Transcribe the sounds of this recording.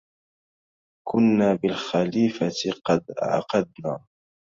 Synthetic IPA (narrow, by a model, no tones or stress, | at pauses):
kʰʊnːaːbɪlxaliːfat̪qɑd̪ʔa̰ʕqɑd̪̚naː